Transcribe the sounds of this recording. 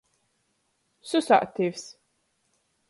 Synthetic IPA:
susa̰ʔt̪ʰiːvs

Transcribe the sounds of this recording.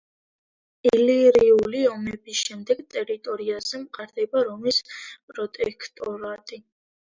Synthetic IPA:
iliɾiuliɔmɛbisʃɛmd̪ɛɡt̪ʼɛɾit̪ʼɔɾiazɛmqʼaɾd̪ɛbaɾɔmispʼɾɔt̪ʼɛ̰kʰt̪ʼɔɾat̪ʼi

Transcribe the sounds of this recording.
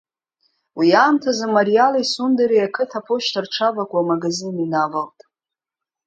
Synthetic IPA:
wiaːmtʰazamaɾialaisundaɾajakʰɨtʰapʰoʃtʰarʈ͡ʂʰavakʷʼamaɡazininavaltʼ

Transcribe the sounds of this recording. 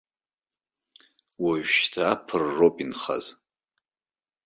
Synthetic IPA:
waɥʃtʰaːpʰɨrːopʼinχa̰z

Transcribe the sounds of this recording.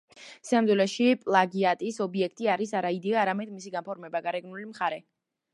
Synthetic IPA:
siamd̪zwɛlɛʃipʼlˠaɡiat̪ʼisɔbiɛkʰt̪ʼiaɾisaɾaid̪ɛaːɾamɛd̪misiɡampʰɔɾmɛbaɡaɾɛɡnulimχaɾɛ

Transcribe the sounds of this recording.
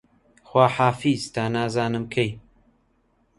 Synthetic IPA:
xwaːħaːfiːzt̪ʰaːnaːzaːnɨmkʰej

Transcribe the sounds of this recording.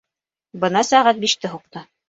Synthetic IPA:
bɤ̆nɑsæʁæt̪̚biʃt̪ɘɦuq̚t̪ɤ

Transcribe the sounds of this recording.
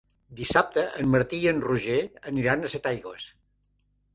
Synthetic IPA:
d̪isap̚t̪əʔəmməɾt̪iənruʒeəniɾanəset̪ajɣwəs

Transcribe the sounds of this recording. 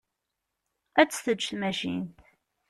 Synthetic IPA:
æt͡sːθət͡ʃːθmæʃḭnt̪

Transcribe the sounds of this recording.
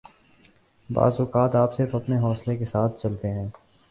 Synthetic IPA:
ba̰ːzʊkaːt̪aːpsɪɾfɐpneɦɔːslekesaːt̪ʰt͡ʃɐlt̪eɦɛ̃ː

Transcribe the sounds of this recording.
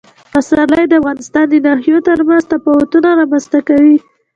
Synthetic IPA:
asɑləjd̪əafɣɑnɪst̪ɑnd̪ənɑɦijot̪əɾmanzt̪apawat̪unaɾɑmanst̪akawi

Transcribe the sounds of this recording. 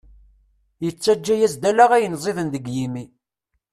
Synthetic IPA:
jət͡sːæd͡ʒːæjæzd̪ælaʁæjənzˤiðənðəɡjimi

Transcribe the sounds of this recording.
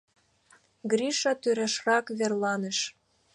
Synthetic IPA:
ɡɾiʃɑt̪yɾæʃrɑkβerlɑnə̆ʃ

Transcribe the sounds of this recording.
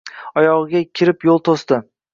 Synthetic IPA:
ɒjɒʁɨɡʲakʲʰɪɾɪpjolˠt̪ʰosd̪ɪ

